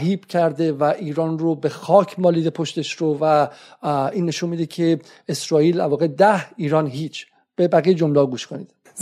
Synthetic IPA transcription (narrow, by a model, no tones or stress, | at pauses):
ɦiːb̥cʰæɾd̪e̞væʔiːɾɒːnrobe̞xɒːcʰmɒːliːd̪epʰoʃt̪e̞ʃɾovæ | iːnːe̞ʃunmid̪ecʰe̞ | esɾɒːiːlælvɒːɣe̞d̪æhiːɾɒːnɦiːt͡ʃʰ | b̥e̞bæɣijed͡ʒo̞mleɒɡuːʃkʰonḭːd̪̥